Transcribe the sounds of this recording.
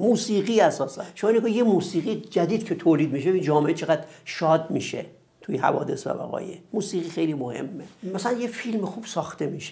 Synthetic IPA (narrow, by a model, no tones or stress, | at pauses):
muːsiːɣiːæsɒːsænʃomɒineɡojemuːsiːɣid͡ʒæd̪iːd̪̥̚cʰet̪ʰoːliːd̪miʃeind͡ʒɒːmeet͡ʃʰeɣæd̪ʃɒːd̪miːʃe | t̪ʰujehæ̰vɒ̰ːd̪e̞svæ̰bæ̰ɣɒ̰ːjemuːsiːɣʁiːxejlimohe̞̰mːemæsælænjefilmexuːb̥sɒːxt̪e̞miːʃe